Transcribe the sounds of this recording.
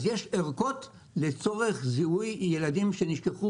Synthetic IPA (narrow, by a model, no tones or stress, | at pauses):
zjeʃeʁko̞t | let͡so̞ʁeχzihujːeladimʃe̞niʃkeχu